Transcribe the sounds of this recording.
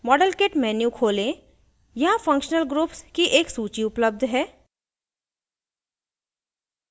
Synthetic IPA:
mɔːɖəlkeːʈmɛːnjukʰoːlẽ | jɐãfɐ̃ŋkʃnəlɡɾuːpskiʔeːksuːt͡ʃiʊpləb̚d̪ʱɦɛː

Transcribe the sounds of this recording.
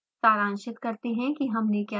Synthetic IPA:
saːɾãːnʃɪt̪kɐɾt̪eɦɛ̃kiɦɐmnekja

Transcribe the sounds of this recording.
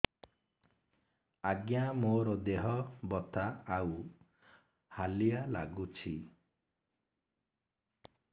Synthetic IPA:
aɡjamoɾɔd̪eɦɔbɔt̪aːw | halijala̰ɡut͡ʃʰi

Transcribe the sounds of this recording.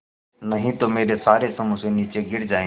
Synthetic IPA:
nəɦĩːt̪oːmeːɾeːsaːɾeːsəmũːsẽːniːt͡ʃeːɡɪɽd͡ʒaːẽ

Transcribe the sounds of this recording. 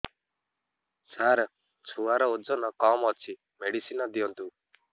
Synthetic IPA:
saɾ | t͡ʃʰuaɾɔud͡ʒɔnɔkɔmɔt͡ʃʰi | meɽisinɔd̪iɔnt̪u

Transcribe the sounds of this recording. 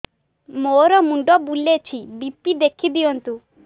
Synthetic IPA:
moɾɔmuɳɖɔbulet͡ʃʰibipːid̪ekʰid̪iɔnt̪u

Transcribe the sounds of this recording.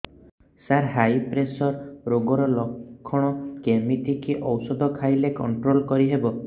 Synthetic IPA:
saɾɦajpɾesɔɾɾoɡɔɾɔlɔkʰːɔɽ̃ɔkemit̪ikiʔɔwsɔd̪ʱɔkʰajlekɔɳʈɾolkɔɾiɦebɔ

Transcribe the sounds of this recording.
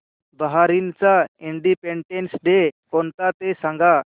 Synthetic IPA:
bəɦaɾint͡saiɳɖipeɳʈensɖekont̪at̪esãŋɡa

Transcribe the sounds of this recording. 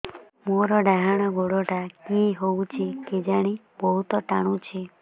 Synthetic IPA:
moɾɔɖaɦaɽ̃ɔɡoɽoʈakiɦowt͡ʃʰeked͡ʒaɽ̃i | bɔɦut̪ɔʈaɽ̃ũt͡ʃʰe

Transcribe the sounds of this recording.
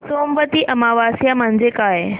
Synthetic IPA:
soːmʋət̪iʔɐmaːʋaːsijamə̃ɦɪ̃ɲd͡ʑekaːɦe

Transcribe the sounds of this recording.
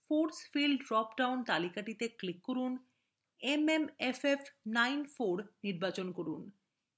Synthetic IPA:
foɖsfilɖɾɔpɖawnt̪alikaʈit̪eklikːoɾun | ememefefnajnfoɾniɾbat͡ɕonkoɾun

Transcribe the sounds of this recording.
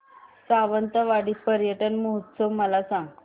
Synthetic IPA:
saʋənt̪əʋaɽiːpəɾjəʈənməɦut̪səwməlasãŋɡ

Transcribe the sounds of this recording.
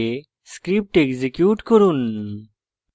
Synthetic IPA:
e | skɾip̚ʈeɡzekjuʈkoɾun

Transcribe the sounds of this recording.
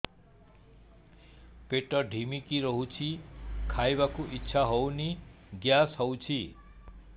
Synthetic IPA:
peʈʌɖʱimikiɾʌɦũt͡sʰikʰajbakuʔitːsʰaɦowni | ɡjasɦʌwt͡sʰi

